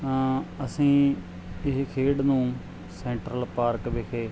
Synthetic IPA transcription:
əsĩː | ɪɦkʰeːɽnũː | sɛ̃ːɳʈɾəlpaːɾkʋɪkʰeː

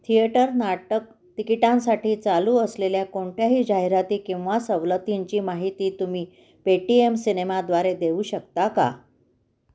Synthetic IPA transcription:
t̪ʰieʈəɾnaʈək | t̪ikiʈãnsaʈiːt͡saluːəsleljakoɳʈjaɦiːd͡ʑaɦiɾat̪iːkĩw̃ʋasəʋlət̪iɲt͡ɕiːmaɦit̪iːt̪umiː | peʈiemsinemad̪ʋaɾed̪euːɕək̚t̪aka̰

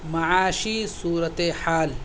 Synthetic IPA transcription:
mɐʕaːʃiːsuːɾɐt̪eħaːl

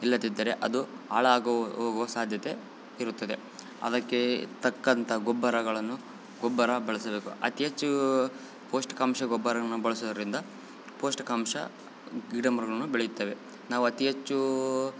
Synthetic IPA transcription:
ilːɐt̪id̪ːɐɾeʔɐd̪uaːɭɐaːɡoːɡuʋɐsaːd̪ʱjɐt̪e̞ | iɾut̪ːɐd̪e̞ | ɐ̰d̪ɐkːet̪ɐkːɐnt̪ʰɐɡɔbːɐɾɐɡɐɭɐnːu | ɡɔbːɐɾɐbɐɭɐsɐbe̞ːkuɐ̰t̪iɦɐt͡ʃːu | po̞ːsʈkaːmʃɐɡɔbːɐɾɐnːubɐɭɐsɔd̪ɐɾind̪ɐ | po̞ːsʈkaːmʃɐ̰ | ɡiɖɐmɐɾɡɐɭɐnːubeɭejut̪ːeːʋe̞ | naːʋuɐt̪iɦɐt͡ʃːu

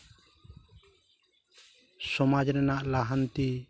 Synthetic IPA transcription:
sɔmad͡ʒɾɛnaʔlaɦant̪i

